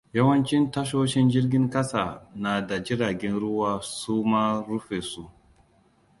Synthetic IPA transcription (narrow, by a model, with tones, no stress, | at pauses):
jɐ˦wɐ˦nt͡ʃɪ˦ntɐ˦ʃoː˦ʃɪ˦nd͡ʒɪ˦rɡʲɪ˦ŋkɐ˦saː˨naː˨da˨d͡ʒɪ˦ɽaː˨ɡʲɛ˦nɽʊ˦waː˦suː˦maː˦ɾʊ˦ɸeː˨su˦ʔ